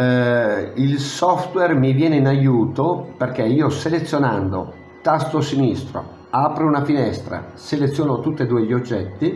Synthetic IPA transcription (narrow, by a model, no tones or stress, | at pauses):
ilsɔft̪wɛrmivjɛːneinajuːt̪operk̟eiːoselet̪sːjonand̪o̰ | t̪ast̪osinist̪ɾo̰ | aːpɾeunafinɛst̪ɾa̰selet̪sjoːnot̪ut̪ːed̪uːeʎiod͡ʒːɛt̪ːi